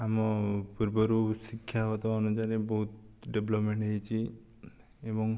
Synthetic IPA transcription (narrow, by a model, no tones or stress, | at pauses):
amɔpuɾbɔɾusikʰːjaɔt̪ɔɔnud͡ʒaɾebɔɦut̪̚ɖeblɔpmeɳʈɦəjt͡ʃʰi | ebɔŋ